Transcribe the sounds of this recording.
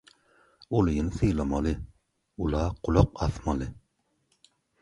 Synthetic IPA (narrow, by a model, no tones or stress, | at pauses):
olɨjinsɨjlˠɑmɑlˠɨ | ulˠɑːqʊlˠʊqɑθmɑlˠɨ